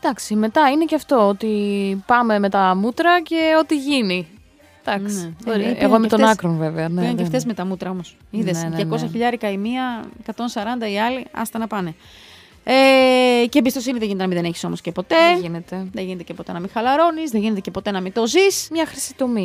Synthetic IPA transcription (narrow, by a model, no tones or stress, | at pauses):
d̪̥ɐksime̞t̪ɐine̞ceɐft̪o̞ot̪ipɐme̞me̞t̪ɐmut̪ɾɐce̞o̞t̪iʝini | d̪̥ɐksioɾḛɣomet̪onakɾonve̞veɐneiɐneft̪ezmet̪ɐmut̪ɾɐo̞mo̞s | iðessʝɐkosɐçiʎɐɾikɐimiɐekɐt̪o̞nsɐɾɐnd̪ɐiɐliɐ̰st̪ɐnɐpɐne̞ | ecembist̪o̞siniðeʝinet̪enɐmiðeneçi̥so̞moscepo̞t̪e̞inet̪eðeʝinet̪ecepo̞t̪enɐmixɐlɐɾo̞nizðeʝinet̪ecepo̞t̪e̞nɐmit̪o̞zismɲɐxɾisi̥t̪omi